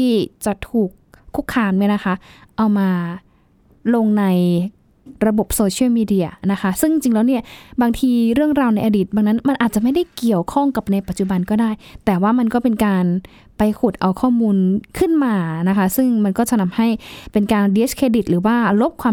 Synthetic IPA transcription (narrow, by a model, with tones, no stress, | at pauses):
t̪ʰiː˥˩t͡ɕa˨˩t̪ʰuː˨˩k̚ʰːu˦˥kʰːaː˧mma˦˥˩na˦˥kʰa˦˥ʔa˧wmaː˧ | lo˧ŋna˧j | ɾa˧bo˨˩p̚soː˧t͡ɕʰi˥˩wmiː˧di˧ɐna˦˥kʰa˦˥sɯ˥˩ŋ˧t͡ɕi˧ŋlɛː˦˥wni˥˩ɐbaː˧ŋt̪ʰiː˧ɾɯ˥˩əŋɾaː˧wna˧jʔaː˧diː˨˩t̪̚baː˧ŋna˦˥nma˧nʔaː˨˩t̪̚t͡ɕa˨˩ma˥˩jda˥˩jki˨˩əwkʰɔ˥˩ŋka˨˩p̚na˧jpa˨˩t̪̚t͡ɕu˨˩ba˧nkɔː˥˩daː˥˩jt̪ɛː˨˩waː˥˩ma˧nkɔː˥˩pe˧nkaː˧n | pa˧jkʰu˨˩t̪̚ʔa˧wkʰɔː˥˩muː˧nkʰɯ˥˩nmaː˧na˦˥kʰa˦˥sɯ˥˩ŋma˧nkɔː˥˩t͡ɕa˧na˧˩mha˥˩jpe˧nkaː˧ndi˦˥skʰeː˧di˨˩t̪̚ɾɯː˩˦waː˥˩lo˦˥p̚kʰwaː˧